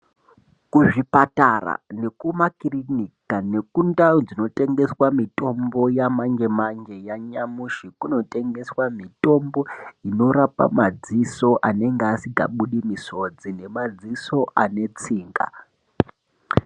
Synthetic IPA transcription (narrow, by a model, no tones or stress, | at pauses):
kuʐipatara̰ne̞kumakirinikane̞kundad͡zino̞te̞ŋɡe̞swamito̞mbo̞jamaŋd͡ʒemand͡ʒe̞jaɲamuʃikuno̞te̞ŋɡe̞swamito̞mbo̞ino̞ɾapa̰mad͡ziso̞ʔane̞ŋɡeasiɡʱa̰ɓuɗimiso̞d͡zine̞mad͡ziso̞ʔane̞t͡siːŋɡa̰